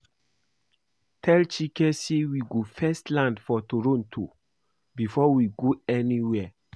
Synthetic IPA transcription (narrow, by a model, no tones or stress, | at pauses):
tʰɛlt͡ʃikɛsewiɡofɛstlãndfɔtoɹõntʰo | bifɔwiɡoɛniwɛ